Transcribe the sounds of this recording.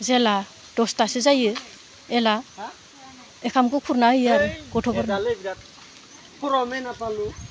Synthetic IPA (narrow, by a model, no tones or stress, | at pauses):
zela | d̥ɔstasizajɯ | ela | ekʰamkɯkʰuɾnaɯjaɾɯɡɔtʰɔbɔɾna | kʰuɾɔmenapalu